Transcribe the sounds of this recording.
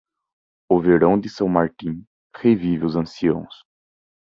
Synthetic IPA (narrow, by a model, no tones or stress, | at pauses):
ʊveɾɐ̃w̃d̪ɪsɐ̃w̃maɾt̪ĩ | hevivɪʊzɐ̃siɐ̃w̃s